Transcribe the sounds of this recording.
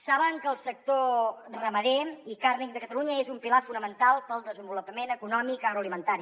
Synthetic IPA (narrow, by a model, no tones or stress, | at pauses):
saβəŋkəlˠsək̚t̪orəməðeikarnik̚d̪əkət̪əluɲəezumpilafunəmənt̪alˠpəlˠd̪əzəmbulupəmenəkunɔmikəɣɾuəlimənt̪aɾi